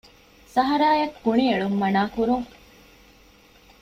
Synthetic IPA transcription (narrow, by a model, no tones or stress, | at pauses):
sɐɦɐɾaːjɐkːuɳieɭumːɐnaːkuɾuŋ